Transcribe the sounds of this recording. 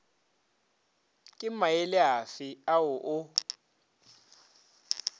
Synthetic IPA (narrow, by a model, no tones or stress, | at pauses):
kʼɪmajelɪɦafɪawʊʔʊ